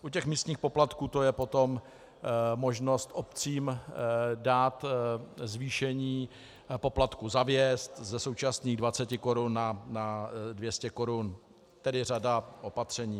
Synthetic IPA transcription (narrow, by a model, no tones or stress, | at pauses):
ʔucɛxmiːst̪ɲiːxpo̞plat̪kuːt̪o̞jɛpo̞t̪om | mo̞ʒno̞st̪ʔopt͡siːm | daːt̪zviːʃɛɲiː | po̞plat̪kuzavjɛst̪zɛsowt͡ʃasniːɣdvat͡sɛcɪko̞ɾunːanadvjɛscɛko̞ɾun | t̪ɛdɪradaʔo̞pat̪r̝̥ɛɲiː